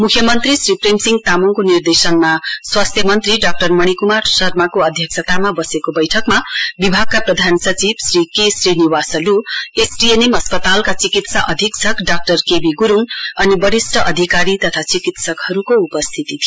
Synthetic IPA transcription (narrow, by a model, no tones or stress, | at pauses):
mukʰjʌmʌnt̪risripremsiŋɡt̪amuŋkonird̪esʌnmaswast̪ʰjʌmʌnt̪riɖak̚ʈʌrmʌɽ̃ikumarsʌrmakoʌd̪ʱjʌksʰʌt̪amabʌsekobʌjʈʰʌkmabibʱaɡ̚kaprʌd̪ʱansʌt͡sibsrikesriniwasʌluesɖienemɦʌspʌt̪alkat͡sikit̪saʔʌd̪ʱiksʌkɖak̚ʈʌrkebiɡuɾuŋʌnibʌɾisʈʌʔʌd̪ʱikaɾit̪ʌt̪ʰat͡sikit̪sʌkhʌɾukoupʌst̪ʰit̪it̪ʰijo